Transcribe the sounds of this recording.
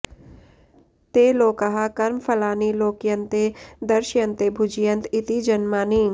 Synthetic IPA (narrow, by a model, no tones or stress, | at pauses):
t̪eːloːkɐɦakɐɾmpʰɐlaːniloːkijɐ̃nt̪ed̪ɐɾʃjɐ̃nt̪ebʱʊd͡ʒijə̃nt̪ɪt̪id͡ʒɐnmaːniŋ